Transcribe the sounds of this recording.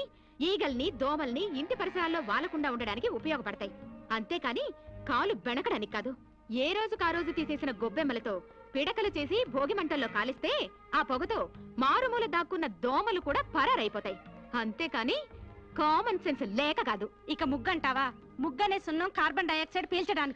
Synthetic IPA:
iːɡɐlnid̪ɔːmɐlniːɳʈipɐɾisɐɾaːlːo̞ːʋaːlɐkuɳɖaːuɳɖɐɽaːnikiupɐjɔːɡɐpɐɽɐt̪aːjiɐnt̪e̞ːkaːniːkaːlubɛɳɐkɐɽɐnikːaːd̪u | eːɾo̞ːd͡ʒukaːɾo̞ːd͡ʒut̪iːse̞ːsinɐɡobːemːɐlɐt̪o̞ː | piɽɐkɐlut͡ʃe̞ːs̬ibʱoːɡimɐɳʈɐlːo̞ːkaːlist̪e̞ː | aːpɔɡɐt̪oːmaːɾumuːlɐd̪aːkːunːɐd̪ɔːmɐlukuːɽaːpɐɾɐɾɐjpɔːt̪aːjiɐnt̪e̞ːkaːniːkaːmɐnsenslɛːkɐɡaːd̪u | ikɐmuɡːɐɳʈaːʋaː | muɡːɐneːsunːɐmkaːɾbɐɳɖɐjɐkseɖpiːlt͡ʃɐɽaːniki̥

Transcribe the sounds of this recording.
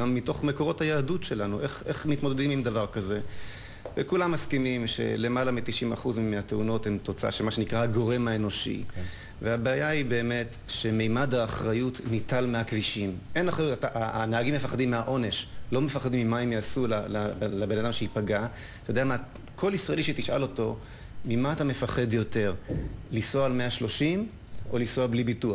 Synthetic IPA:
amːito̞χmeko̞ʁo̞thajaːdutʃe̞lanuʔeχeχmitmo̞d̪edimimd̪avaʁkaze̞ | vekulamːaskimimʃḛle̞malamitiʃima̰χuzmeateuno̞temto̞t͡saa̰ʃelmaʃenikʁaaɡo̞ʁe̞maeno̞ʃḭ | veabeajaibe̞ːme̞t | ʃe̞mejmadhaːχʁajutnitalmeakviʃimʔe̞naχʁajutataʔanaaɡimːefaχadimːeaʔo̞ne̞ʃlo̞mefaχadimimaimjaːsulalalabenadamʃeipaɡa | tajodeama | kʰo̞lisʁaeliʃet̪iʃa̰lo̞to̞ | mimaːtame̞faχe̞djo̞te̞ʁlisoalme̞aʃlo̞ʃim | o̞lisoablibitua

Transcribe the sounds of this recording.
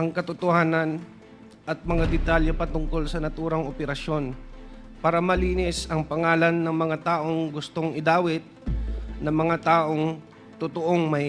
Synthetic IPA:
ʔɐŋkɐt̪ʊt̪ohaːnɐn | ʔɐt̪̚mɐŋad̪ɛt̪aːljopɐt̪ʊŋko̞lsɐnɐt̪uːɾɐŋʔopɛɾɐʃo̞n | paːɾɐmɐliːnɪsɐŋpɐŋaːlɐnːɐŋmɐŋat̪aːʔo̞ŋɡʊst̪oŋʔɪd̪aːwɪt̪̚nɐmɐŋat̪aːʔo̞ŋ | t̪ʊt̪oʔoŋmɐj

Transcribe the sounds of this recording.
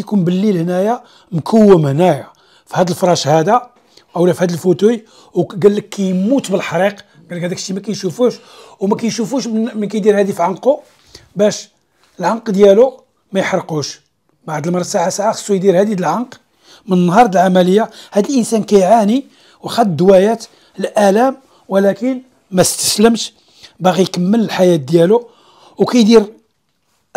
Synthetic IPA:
jkunbəlːilhnæja | mkʰəwːəmhnæja | fihæd̪əlfɾˤɑʃhæd̪a | ʔæwlæfhæd̪əlfut̪uj | wɡælːəkːæjmut̪bəlħɑɾiq | ɡælːəkhæd̪ækʃːimækæjʃufuʃ | wmækæjʃufuʃmənkæjd̪iɾhæd̪ifiʕanqu | bæʃ | əlʕanqd̪jælu | mæjħɾˤquʃ | baʕd̪əlmɑɾˤɑd̪saʕasaʕaxɑ̥sˤːujd̪iɾhæd̪id̪əlʕɑnq | mənənːhɑɾˤd̪əlʕamələjːahæd̪əlʔənsænkæjʕani | wxæd̪d̪wæjæt̪ | lʔælæm | wəlækən | mæst̪ə̥sləmʃ | baɣijkəmːələlħajæt̪̚d̪jælu | wkæjd̪iɾ

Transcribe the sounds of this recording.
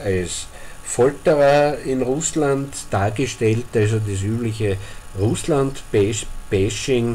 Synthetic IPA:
als | fɔltəʁɐɪnʁʊslantd̥aːɐɡəʃtɛltals̬odas̬yːblɪçəʁʊslantbɛʃb̥ɛʃɪŋ

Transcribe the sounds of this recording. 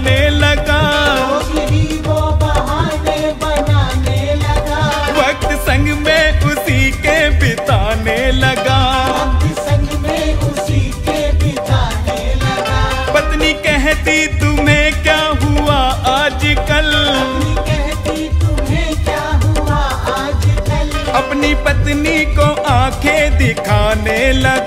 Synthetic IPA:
neləɡaː | ɾiʋobɐɦaːnebɐnaːnelɐɡaːʋɐk̚t̪sə̃ŋɡmẽʊsikepɪt̪aːneləɡaːʋɐk̚t̪sɐ̃ŋɡmẽʊsikepɪt̪aːneləɡaː | pət̪niːkɛɦt̪it̪ʊmẽːkjaːɦʊaːaːd͡ʒkəlnikɛɦt̪it̪ʊmẽkjaːɦʊa | d͡ʒkəl | əpniːpət̪nikoʔãːkʰeːd̪ɪkʰaːneːləɡ

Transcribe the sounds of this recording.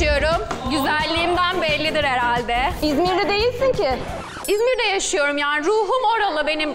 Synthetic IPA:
ɯjo̞ɾumɟyzælʲːiːmd̪ænbɛlʲːid̪iɾheɾalʲd̪ɛizmiɾd̪ɛd̪e̞jilʲsincɪ | izmiɾd̪ɛjaʃɯjo̞ɾumjaːniɾuːɦumo̞ɾalˠɯbe̞nim

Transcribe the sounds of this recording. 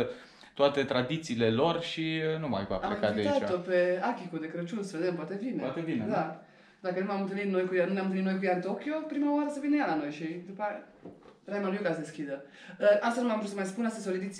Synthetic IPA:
t̪oat̪e̞t̪ɾad̪it̪siːle̞lo̞rʃiənuma̰jkua̰palekaeat̪opeakʲikud̪ekɾət͡ʃunsəve̞d̪empwat̪evineat̪evineza | d̪akənunamɨnt̪ɨnit̪no̞jkujanunejamnt̪nit̪nojkujaɨnt̪okʲjo̞pɾimawaɾəsəvinəjalano̞jʃid̪upa | ɾajmanjukasd̪eskʲid̪ə | əast̪anumamɾusəmajspunast̪esolid̪it̪

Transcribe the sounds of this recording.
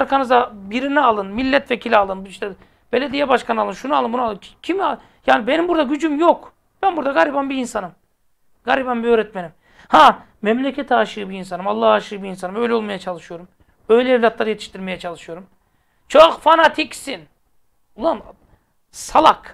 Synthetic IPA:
ɾkʰanɯzd̪abiɾinɛalˠɯnmilʲːɛt̪vecʰilʲialˠɯnbiʃt̪ɛ | b̥e̞lʲed̪ijɛbaʃkʰanɯalˠɯnʃunualˠɯnbunualˠɯncʰim | jaːnibe̞nimbuɾd̪aɟyd͡ʒymjok | b̥ænbuɾd̪aɡaɾʲibanbiːnsanɯm | ɡ̥aɾibanbiøɾɛt̪̚menim | hã | mɛmlʲecʰɛt̪ʰaʃɯɯbiːns̬anɯmalˠːahaːʃɯɯbiːnsanɯmø̞jlʲɛo̞lˠmajat͡ʃʰalˠɯʃɯjo̞ɾum | øjlʲɛːvlʲat̪lˠaɾɯje̞t̪ʰi̥ʃt̪ʰiɾme̞jɛt͡ʃʰalˠɯʃɯjo̞ɾum | t͡ʃʰokfanat̪ʰicsin | ulˠam | salˠak

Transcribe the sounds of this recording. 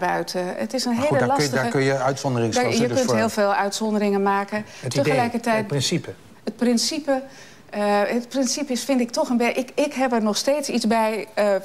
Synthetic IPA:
bœɥtə̰tɪsənɦeːləlɑsədaəkənjəœɥtsɔndərɪŋjəøntɦɪːlˠfeːlˠœɥtsɔndərɪŋənmaːkə | ətəxəlɛjkərtɛjtɪnsipə | ət̚prɪnsipə | ət̚prɪnsipɪsfɪndɪk̚tɔχənbɛʔɪkɪkɦɛpəɹnɔxsteːtsizbɛj

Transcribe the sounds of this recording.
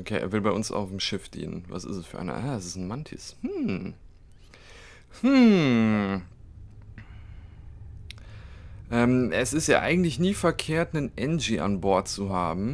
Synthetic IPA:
ʔokʰḛːʔḛːɐvɪlbaɪʔʊnsa̰ʊfm̩ʃɪfd̥ḭːnə̰nva̰sɪ̰stsfyːɐʔa̰ɪnɐ̰ʔaːɛsɪsn̩mantʰḭshm̩ | h̩ | ʔɛːmʔɛsɪstja̰ːʔa̰ɪɡŋ̩tlɪçniːfɛɐkʰeːɐtnənʔɛnd͡ʒiʔa̰nbɔɐt̚t͡suɦaːbm̩

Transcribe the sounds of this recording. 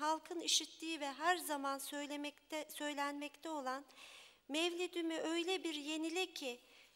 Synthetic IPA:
ɦalˠkʰɯniʃit̪liːivɛɦæɾzamans | sø̞jlʲænmɛct̪ʰɛo̞lˠan | mɛvlʲid̪ymyʔø̞jlʲɛbiɾje̞nilʲicʰɪ

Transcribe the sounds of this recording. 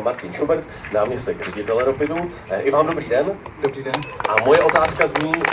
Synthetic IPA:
maɾcɪnʃobɛɾt̪naːmɲɛst̪ɛkr̝ɛɟɪt̪ɛlɛɾopɪnu | ʔɪvaːmdo̞bɾiːdɛndbɾidɛnʔamojɛʔo̞t̪aːskazɲiː

